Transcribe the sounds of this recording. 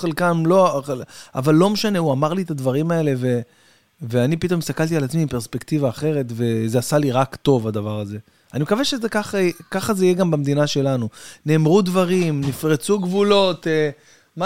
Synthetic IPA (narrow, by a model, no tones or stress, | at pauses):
elkanlo̞ | a̰valːo̞meʃane̞uamaʁliet̪ad̪vaʁimae̞le̞ve̞ | veanipit̪o̞mist̪akalt̪ialat͡smiːmpe̞ʁspekt̪ivaːχe̞ʁe̞t̪ve̞zeasaliʁakt̪o̞vad̪avaʁaze̞ | animekaveʃezekaχakaχazeijeɡambamd̪inaʃe̞lanune̞ːmʁud̪vaʁimnifʁet͡suɡvulo̞t̪e | ma